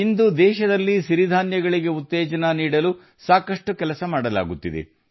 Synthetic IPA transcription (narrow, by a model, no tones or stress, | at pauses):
ind̪ud̪ɛːʃɐd̪ɐlːiʃiɾid̪ʱaːnjɐɡɐɭiɡe̞ut̪ːɛːd͡ʒɐnɐniːɽɐlu | saːkɐʂʈukɛlɐsɐmaːɽɐla̰ːɡut̪ːid̪ḛ